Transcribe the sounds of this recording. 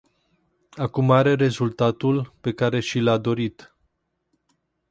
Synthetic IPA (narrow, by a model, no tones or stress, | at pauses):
akumaɾe̞ɾe̞zult̪at̪ulpe̞kaɾe̞ʃilad̪o̞ɾit̪